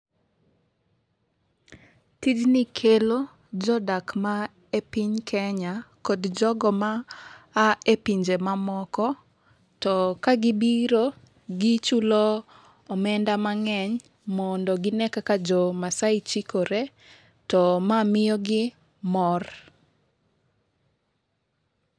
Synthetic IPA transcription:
tid͡ʒnɪkʰelo | d͡ʒɔdakma | epiɲkʰɛɲakɔdd͡ʒɔɡɔmaː | epiɲd͡ʒemamɔkɔ | tɔkaɡɪbiɾo | ɡɪt͡ʃulɔː | mɛndamaŋɛɲ | mɔndɔɡɪnɛkakad͡ʒɔmasaɪt͡ʃikoɾe | tɔmamɪjɔɡɪ | mɔr

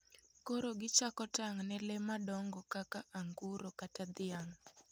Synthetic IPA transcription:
koɾoɡɪt͡ʃakɔtaŋnɛlɛmadɔŋɡɔkakaʔaŋɡuɾokatad̪ɪaŋ

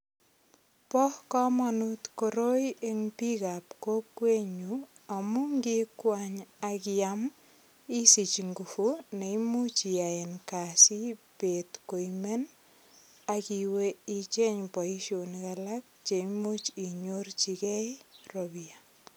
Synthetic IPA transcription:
pɔhkɔmanutkoɾojeŋpikapkokweɲu | amuŋɡikwaɲakiam | isit͡ʃŋɡufuneimut͡ʃiaenkasipetkoimen | akiweit͡ʃeɲpɔiʃonikalak̚t͡ʃeimut͡ʃiɲort͡ʃikɛroβia

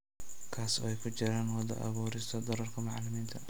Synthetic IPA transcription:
kʰaːsɔ̰ɛjkʰʊt͡ʃɪɾaːnwɑd̪ɐ̰ʔɐ̰βuːɾɪst̪ʰɐd̪ɔɾɐrkʰɐmɑʕlɪmiːnt̪ʰɐ

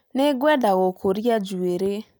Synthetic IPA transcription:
neɡwɛdaɣokʰoɾiad͡ʒueɾe

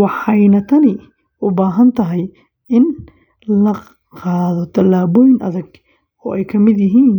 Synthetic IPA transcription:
wɑħɑjnɐt̪ʰɐnɪ | ʊbaːɦɐnt̪ʰɐɦɛj | ɪn | lɐ | qɑːðɔt̪ʰɐlaːβɔjɪnʔɐ̰ðɐɡ | ɔ̰ːʔɛjkʰɐmɪd̪jɪɦiːn

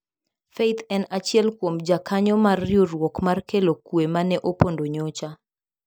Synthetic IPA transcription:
fet̪ʰɛnat͡ʃɪɛlkwomd͡ʒakaɲɔmarːjoɾwɔkmarkelokwemanɛʔopondoɲot͡ʃa

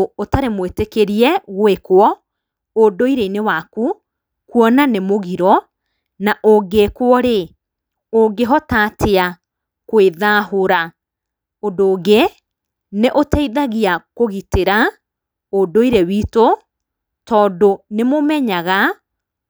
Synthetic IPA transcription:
otaɾemwetekeɾiɛɣwekwɔ | odoiɾeinewaku | kuɔnanemoɣiɾɔ | naʔoɡekwɔɾe | oɡeɦɔtaːtʰea | kweðaːhoɾa | odoːɡe | neʔotɛiðaɣiakoɣiteɾa | odoiɾewiːto | tɔːdonemomɛɲaɣa

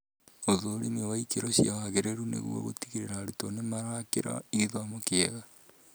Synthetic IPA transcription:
oðoːɾeneowaikeɾɔɕiaaɣeɾeɾunḛɣṵɔ̰ɣo̰ti̥ɣiɾeɾaːɾutonemaɾaakeɾa̰iɣiðwamokeɛɣa

